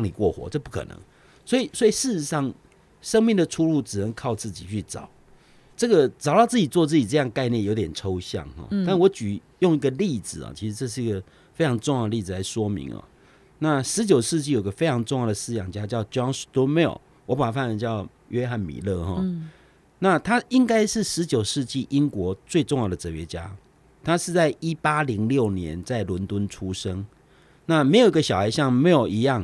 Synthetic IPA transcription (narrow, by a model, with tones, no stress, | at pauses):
ɑ˥˩ŋni˨˩kwɔ˥˩xwɔ̰˧˦ʈ͡ʂɤ˥˧pu˥˩kʰɤ̰˨˩nɤ̰˧˦ŋ | swɔ˧˥i˨˩swɔ˧˥i˨˩ʂɻ̩˥˩ʂɻ̩˧˦ʂɑ˥˩ŋ | ʂə˥ŋmi˥˩ŋd̪ə˩ʈ͡ʂʰu˥lu˥˩ʈ͡ʂɻ̩˨˩nə˧˦ŋkʰɑ˥˧ʊt͡sɹ̩˥˩t͡ɕi˨˩t͡ɕʰy˥˩ʈ͡ʂɑ̰˨˩˦ʊ | ʈ͡ʂɤ˥˩ɡə˨ʈ͡ʂɑ˨˩ʊt̪ɑ˥˧ʊt͡sɹ̩˥˩t͡ɕi˨˩t͡swɔ˥˧t͡sɹ̩˥˩t͡ɕi˨˩ʈ͡ʂɤ˥˧jɑ˥˧ŋka˥˧ɪnjɛ˥˩njo˧ʊt̪jɛ˨˩nʈ͡ʂʰo˥ʊɕjɑ̰˥˨˩ŋxɔ̰˩t̪a˥˩n˨wɔ˧˥t͡ɕy˨˩ | jo˥˧ŋi˧ɡə˨li˥˩d͡zɹ̩˨˩ɐ̰˨˩t͡ɕʰi˧˥ʂɻ̩˧ʈ͡ʂɤ˥˧ʂ̬ɻ̩˥˩i˧˥ɡə˨˩ | fe˥ʈ͡ʂʰɑ˧˥ŋʈ͡ʂʊ˥˧ŋjd̪ə˧li˥˩d͡z̩˨˩la˧˥˦ɪʂwɔ˥mḭ˧˥ŋɔ̰˨ | na˥˨ʂɻ̩˧˥t͡ɕjo˨˩ʊʂɻ̩˥˧t͡ɕi˥˩jo˨˩i˧˦ɡə˧fe˥ɪʈ͡ʂʰɑ˧˥ŋʈ͡ʂʊ˥˧ŋjɑ˥˩d̪ə˩sɹ̩˥˧jɑ˨˩ŋt͡ɕja˦˥t͡ɕjɑ˥˩ʊt͡ɕjɔ˥˦ŋst̪u˥mɛ̰˥˩˨ | wɔ˧˦pa˨˩a˨˦fa˥˩nə˧˦t͡ɕjɑ˥˩ʊ | ɥɛ˥xa˥˩nmḭ˨˩lɤ˥˨xɔ̰˥˨˦ | na˥˨t̪ʰa˥i˦ŋka˥ɪʂɻ̩˥˩ʂɻ̩˧˦t͡ɕjo˨˩ʊʂɻ̩˥˧t͡ɕi˥˩ʔi˦ŋkwɔ˧˥t͡swe˥˧ɪʈ͡ʂʊ˥˧ŋjɑ˥˩ʊd̪ə˩t͡sɤ˨˩ɥɛ˧˥t͡ɕja˦ | t̪ʰa˥ʂɻ̩˥˧t͡sa˥˩ɪi˦˥pa˥li˧˥ŋljo˥˩ʊnjɛ̰˧˦nt͡sa˥˩ɪlwʊ˧˥nt̪wə˦˥nʈ͡ʂʰu˥ʂə˥ŋ | na˥˨me˧˥ɪjo˨˩i˥ɡə˧ɕjɑ˨˩ʊxa˧ɪɕjɑ˥˩ŋm˧˥jo˨˩i˧˥jɑ˥˩ŋ